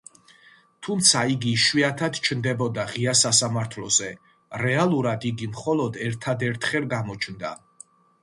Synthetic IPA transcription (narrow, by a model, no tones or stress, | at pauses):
t̪ʰumt̪sʰaiɡiʃwiat̪ʰad̪t͡ʃʰnd̪ɛbɔd̪aʁiasasamaɾt̪ʰlɔ̰zɛ | ɾɛalˠuɾad̪iɡimχɔlɔd̪ɛɾt̪ʰad̪ɛɾt̪ʰχɛlɡamɔt͡ʃʰnd̪a̰